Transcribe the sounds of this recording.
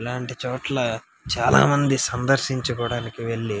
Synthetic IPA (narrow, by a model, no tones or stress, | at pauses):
laːɳʈit͡ʃoːʈlɐ | t͡ʃaːla̰ːmɐnd̪isɐnd̪ɐɾʃiɲt͡ʃɐkɔːɽaːnikiʋe̞ɭːi